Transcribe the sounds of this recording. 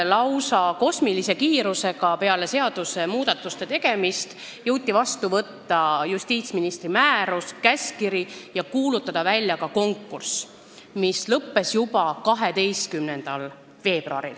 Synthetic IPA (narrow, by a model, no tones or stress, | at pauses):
lɑwsɑko̞smilise̞kiːɾuse̞ɡɑpe̞ɑle̞se̞ɑd̪̥use̞muːd̪̥ɑt̪ːˑust̪e̞t̪e̞ɡ̥e̞mist̪ | jɤwt̪ʲːˑivɑst̪uvɤt̪ːɑjust̪iːt̪sminist̪rimæːɾuskæsʲkiɾijɑkuːlut̪ːˑɑd̪̥ɑvælʲjɑkɑko̞ŋkːurs | mislɤpːe̞sjupɑkɑɦe̞d̪e̞jst̪kymnend̪̥ɑl | ve̞ːb̥ruɑ̰ɾḭl